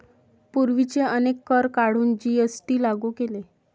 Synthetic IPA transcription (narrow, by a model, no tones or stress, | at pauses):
puɾʋit͡seənekːəɾkaɽ̤uːnd͡ʑiesʈiːlaɡukele